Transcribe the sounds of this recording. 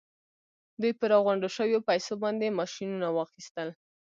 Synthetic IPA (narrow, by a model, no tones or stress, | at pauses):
d̪ujpəɾɑɣaɳɖəʃəwjopajsobɑnd̪emɑʃinunawɑxist̪əl